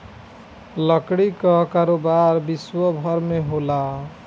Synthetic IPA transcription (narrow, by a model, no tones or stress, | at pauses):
lʌkɽikʌkaɾobaɾbiswəbʱʌɾmeɦola